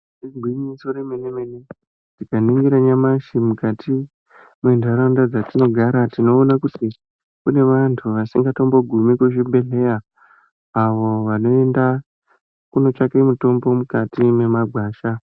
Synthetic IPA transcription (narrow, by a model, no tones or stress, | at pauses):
reɡʱwiɲiso̞ɾemenemeni | tikaniŋɡiɾaɲamaʃimukati | mwendʱaɾandad͡zatino̞ɡʱaɾatino̞ːnakuti | kune̞ʋantʰuʋasiŋɡato̞mbo̞ɡʱumikweʃibʱe̞ɮe̞jaː | ʋo̞ʋano̞e̞nda | kuno̞t͡ʃakemuto̞mbo̞mukatime̞maɡʱwaːʃa